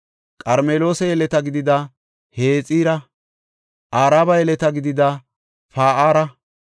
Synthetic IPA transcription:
kʼɐɾmeːlo̞ːsɛjɛlɛt̪ɐɡɪd̪ɪd̪ɐ | heːt͡sʼiːɾɐ | ʔaːɾaːbɐjɛlɛt̪ɐɡɪd̪ɪd̪ɐ | faːʔaːɾɐ

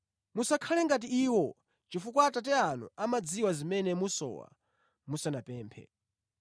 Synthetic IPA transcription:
musakʰalɛŋɡat̬iiwɔ | t͡ʃifukwatat̬ɛanṵamad͡ziwazimɛnɛmusɔ̰wa̰ | musanapɛːmpʰɛ̰

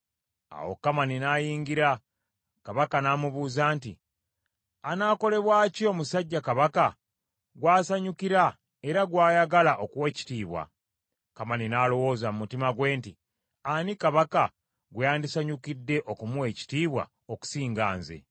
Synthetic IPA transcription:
a̰wo̰kːamaninaːjiːŋɡiɾa | kaβakanaːmuβuːzaːntḭ | anaːko̞le̞βwaːcio̞musaɟːakaβaka | ɡwaːsaɲukiɾa | e̞ɾaɡwaːjaɡalaʔo̞kuwe̞ːci̥tiːβwa̰ | kamaninaːlo̞wo̞ːzamumutimaɡwe̞ːnti | anikaβaka | ɡwejaːndisaɲukidːe̞ʔokumuwe̞ci̥tiːβwa̰ | oku̥siːŋɡa̰ːnzḛ

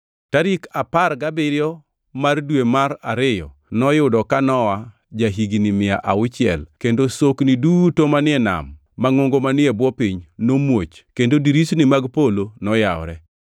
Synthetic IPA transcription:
taɾikaparɡabɪɾɪjɔ | mardwemaɾaɾɪjɔ̰ | nɔjʊdɔkanɔwa | d͡ʒaɦiɡinimɪa̰ʔaʊt͡ʃɪɛ̰lkendosoknidutomanɪɛna̰mː | aŋoŋɡomanɪɛbwɔpiɲnomwot͡ʃkendodiɾisnimaɡpolonɔjawɾɛ

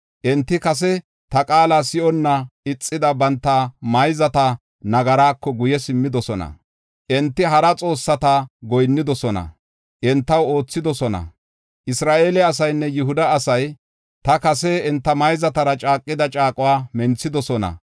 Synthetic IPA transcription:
ʔɛnt̪ːɪkɐs̬ɛ | t̪ɐkʼaːlasɪʔɔnːɐɪt͡sʼːɪd̪ɐbɐnt̪ːɐmɐjzɐt̪ɐ | nɐɡɐɾaːkːɔɡʊjɛsɪmːɪd̪ɔsɔnɐ̰ | ʔɛnt̪ːɪɦɐɾɐt͡sʼo̞ːsːɐt̪aɡɔjnːɪd̪ɔsɔnɐ̰ | ʔɛnt̪ːɐwo̞ːt͡sːɪd̪ɔsɔnɐ̰ | ʔɪsɾaːʔeːlɛɐs̬ɐjnːɛjʊɦʊd̪ɐːsɐj | t̪ɐkɐsɛɛnt̪ːɐmɐjzɐt̪ɐɾɐt͡ʃʼaːkʼːɪd̪ɐt͡ʃʼaːkʼʊwaːmɛnt͡sːɪd̪ɔsɔnɐ̰

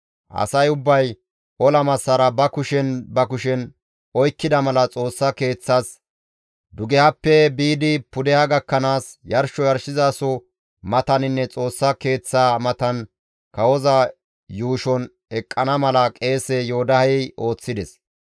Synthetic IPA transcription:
ʔɐ̰sɐjʊbːɐj | ʔɔlɐmɐsːɐɾɐbɐkʊʃɛnbɐkʊʃɛn | ɔjkːɪd̪ɐmɐlɐt͡sʼo̞ːsːɐke̞ːt͡sːas | d̪ʊɡɛhɐpːɛbiːd̪ɪpʊd̪ɛhɐɡɐkːɐnaːsjɐɾʃɔjɐɾʃɪzaːsɔ | mɐt̪ɐnɪnːɛt͡sʼo̞ːsːɐke̞ːt͡sːaːmɐt̪ɐn | kɐwɔzɐ | juːʃɔn | ɛkʼːɐnɐmɐlɐkʼe̞ːsɛjo̞ːd̪ɐhɐʔo̞ːt͡sːɪd̪ɛs

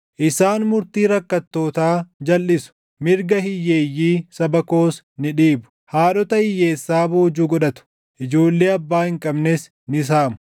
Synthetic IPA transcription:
ʔɪsaːnmʊɾt̪iːɾɐkːɐt̪ːo̞ːt̪aːd͡ʒɐlːɪsʊ̥ | mɪɾɡɐhɪjːeːjːiːsɐbɐko̞ːs | nɪᶑiːbʊ̥ | haːɗɔt̪ɐhɪjːe̞ːsːaːbo̞ːd͡ʒuːɡɔɗɐt̪ʊ̥ | ʔɪd͡ʒo̞ːlːeːɐbːaːhɪŋkʼɐbnɛs | nɪs̬aːmʊ̥

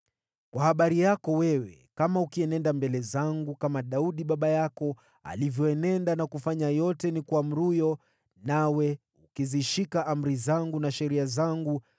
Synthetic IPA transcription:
kwahaɓaɾijakɔwɛwɛkamaukiɛnɛndambɛlɛzaŋɡukamaɗauɗiɓaɓajakɔ | a̰livjɔɛnɛndanakufaɲajɔtɛnikwam̩ɾujɔ | nawɛ | ukiziʃikaʔam̩ɾizaŋɡunaʃɛɾiazaŋɡu

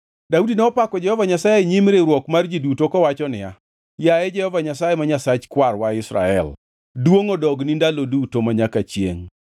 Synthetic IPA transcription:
daudinɛɔpakɔd͡ʒɛhɔvaɲasajeɲimɾeɾwɔkmard͡ʒidutokɔwat͡ʃɔnɪa̰ | jaɛd͡ʒɛhɔvaɲasajemaɲasat͡ʃkwarwaɪsɾa̰ɛ̰l | dwoŋodɔɡnindalodutomaɲakat͡ʃjḛŋ

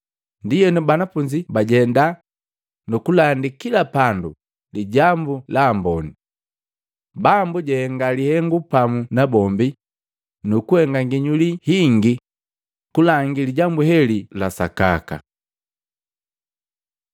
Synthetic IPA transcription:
ndijɛnubanafuɲd͡ʒibaɟɛnda | nukulandikilapandṵ | liɟambulaːmbɔni | bambuɟɛhɛŋɡalihɛŋɡupamunabɔmbi | nukuhɛŋɡaŋɡiɲulihiŋɡi | kulaŋɡiliɟambuhɛlilasa̰ka̰ka̰

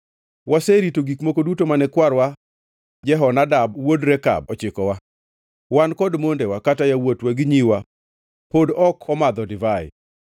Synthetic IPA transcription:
waseɾitoɡikmokodutomanɛkwaɾwa | d͡ʒɛɦɔnadab̚wodɾɛka̰bɔt͡ʃɪkɔwa | wankɔdmondewakatajawotwaɡɪɲiwa | podɔkʰɔmad̪ɔdɪvaɪ̰

